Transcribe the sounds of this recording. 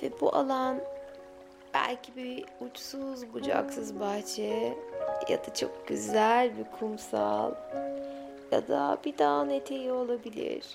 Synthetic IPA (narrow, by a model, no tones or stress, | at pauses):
vɛbuʔa̰lˠan | b̥æ̰lʲcʰibiut͡ʃsuzbud͡ʒa̰ksɯzbaht͡ʃʰɛ | ja̰d̪̥at͡ʃʰo̞̰k̚ɟyzælʲbikʰumsalˠ | ja̰d̪abid̪anet̪ʰe̞jio̞lˠabilʲḭɾ̥